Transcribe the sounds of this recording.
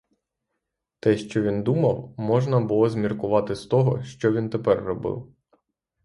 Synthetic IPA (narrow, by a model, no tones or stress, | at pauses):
t̪ɛʃt͡ʃɔʋʲind̪umɐwmɔʒnɐbʊlˠɔzmʲirkʊʋɑt̪ɪst̪ɔɦɔʃt͡ʃɔʋʲint̪epɛrːɔbɪ̰w